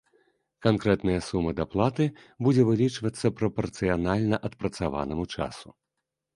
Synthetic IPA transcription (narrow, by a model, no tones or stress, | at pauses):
kankɾɛt̪nɐjɐsumɐd̪aplˠat̪ɨ | bud͡zʲɛvɨlʲit͡ʂvɐt̪sːɐpɾɐpɐrt̪sɨjanalʲnɐʔɐt̪pɾɐt̪sava̰nɐmut͡ʂa̰su